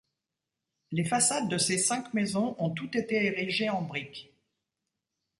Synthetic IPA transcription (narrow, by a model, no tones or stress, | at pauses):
lefasad̪ːəsesɛ̃kmezɔ̃ʔɔ̃t̪ut̪et̪eeʁiʒeɑ̃bʁik